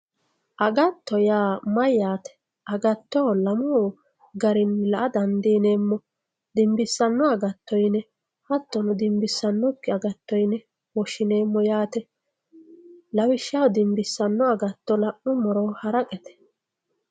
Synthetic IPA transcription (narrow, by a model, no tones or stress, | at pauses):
ʔɐɡɐt̪ːɔjaːmɐjaːt̪ɛ̥ | ɐɡɐt̪ːoːlɐmɔː | ɡɐɾɪnlɐʔɐd̪ɐnd̪iːne̞ːmːɔ | d̪ɪmbɪsːɐnːɔɐɡɐt̪ːɔjnɛ | hɐt̪ːɔnʊd̪ɪmbɪsːɐnːɔkːɪɐɡɐt̪ːɔjnɛ | wɔʃɪne̞ːmːɔjaːt̪ɛ | lɐwɪʃːawd̪ɪmbɪsːɐnːɔɐɡɐt̪ːɔlɐʔːʊmɔɾɔːhɐɾɐkʼɛt̪ɛ̥